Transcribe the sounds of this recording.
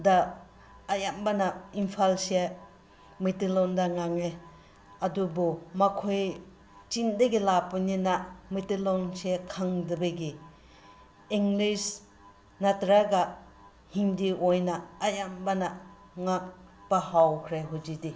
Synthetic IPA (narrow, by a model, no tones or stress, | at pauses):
daː | jambanaimpʰalsia | mitilɔndaŋaŋe | ɐdubɔmakʰoj | t͡ʃindɐɡilapuninamitilɔnsikʰaŋdɯbeɡi | iŋlis | natɾaɡa | hiŋdiojnaːjambana | ŋak̚ | b̥ahawkʰɾeɦud͡ʒidi